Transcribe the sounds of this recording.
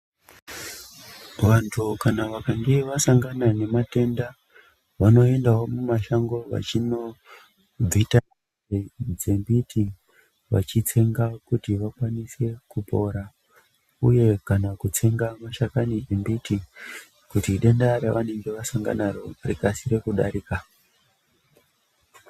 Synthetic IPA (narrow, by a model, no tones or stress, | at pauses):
ʋantʰukanaʋakaŋɡe̞ʋasaŋɡanane̞mate̞nda | ʋano̞e̞ndawomumaʃaŋɡo̞ʋa̰t͡ʃino̞ | d͡zita | ed͡zembitʰi | ʋa̰t͡ʃit͡se̞ŋɡakutiʋakwanise̞kupo̞ɾa | ṵje̞kanakut͡se̞ŋɡamaʃakanid͡zembiti | kutiɗe̞ndaɾaʋane̞ŋɡe̞ʋasaŋɡa̰naɾo̞rikasiɾe̞kuɗa̰ɾiːka